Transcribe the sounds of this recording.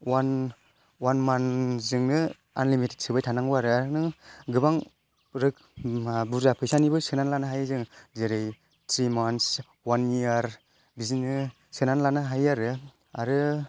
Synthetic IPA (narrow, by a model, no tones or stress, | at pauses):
wan | wanmanzɯŋnɯ | a̰nlimite̥t̚sɯbajtʰanaŋbaɾɯaɾɯnɯɡɯbaŋ | ɾɯk̚ | buɾzapʰɯjsanibɯsɯnanlanɯɦajzɯŋzeɾɯj | tʰɾimans | wanijaɾ | bizinɯ | sɯnanlanɯɦajaɾɯ | aɾɯ